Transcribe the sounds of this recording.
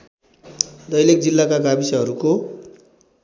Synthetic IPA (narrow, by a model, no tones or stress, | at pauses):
d̪ʌjlekd͡zilːakaɡabisʌɦʌɾuko